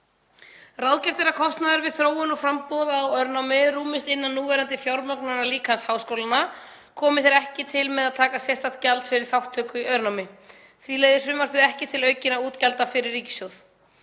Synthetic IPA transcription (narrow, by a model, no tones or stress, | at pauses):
rawðcɛɾ̥t̪ɛɾakʰɔst̪naðʏɾvɪðθɾoːwʏnɔfɾampɔðaːwœɾnawmɪɾuːmɪst̪ɪnːanːuːvɛɾant̪ɪfjawɾmœknaaliːkʰanshawskowlana | kʰɔːmɪθɛɾɛhcɪt̪ʰɪlmɛðaðt̪ʰaːkasjɛst̪at̪calt̪fɪɾɪɾ̥θawht̪ʰːœːkʏiœɾnawmɪ | θvileːjðɪɾ̥fɪmvaɾ̥fɪðɛhcɪt̪ʰɪlœːɥcɪnauːt̪calt̪afɪɾɪɾrːiːcɪ̥sjowθ